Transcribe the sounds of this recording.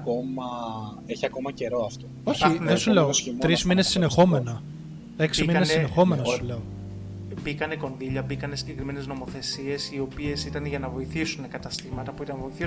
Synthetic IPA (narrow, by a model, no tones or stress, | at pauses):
ko̞mɐ | eçiɐko̞mɐce̞ɾo̞ɐft̪oo̞çinðesuleosimt̪ɾizmine̞ssːine̞xo̞me̞nɐ | eksiminnesine̞xo̞me̞nɐsule̞o | bikɐneko̞nðiʎɐbikɐne̞siɟe̞kɾimenezno̞mo̞θe̞sie̞sio̞pie̞sit̪ɐnʝɐnɐvo̞iθisunekɐt̪ɐst̪imɐt̪ɐpuit̪ɐnvo̞iθi